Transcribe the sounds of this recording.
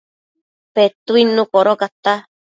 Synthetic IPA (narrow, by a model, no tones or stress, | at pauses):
pet̪uinũkoɾokat̪a